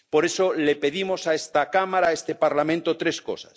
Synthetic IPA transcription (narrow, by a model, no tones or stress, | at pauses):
po̞ɾe̞solepe̞ðimo̞saest̪akamaɾaest̪e̞paɾlamẽnt̪ot̪ɾe̞sko̞̰sḁ̰s